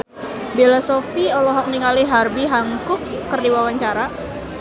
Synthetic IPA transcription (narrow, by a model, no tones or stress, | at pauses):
belasofiɔlɔɦɔk̚niŋaliɦarbiɦaŋkʊkːərdiwawaɲt͡ʃaɾa